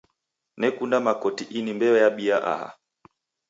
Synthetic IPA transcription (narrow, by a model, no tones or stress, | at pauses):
nɛkundamakɔtiʔinimbɛwɛjaɓiaʔa̰ha̰